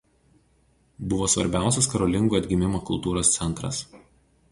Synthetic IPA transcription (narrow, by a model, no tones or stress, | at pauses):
bʊʋoːsʋɐɾʲbʲæˑʊsʲɛskɐɾɔlʲɪŋɡuːɐd̪ʲɡʲɪmʲɪmoːkʊlˠt̪uːɾoːst̪sʲɛnˑt̪ɾɐ̰s